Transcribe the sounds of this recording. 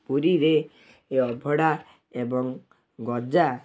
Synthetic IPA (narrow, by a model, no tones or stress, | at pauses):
puɾiɾe | eɔbʱɔɽa | ebɔŋ | ɡɔd͡ʒa